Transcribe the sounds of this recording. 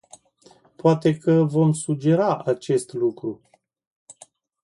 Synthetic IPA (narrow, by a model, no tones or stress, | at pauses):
poat̪e̞kəvo̞msud͡ʒe̞ɾaʔat͡ʃe̞st̪lukɾu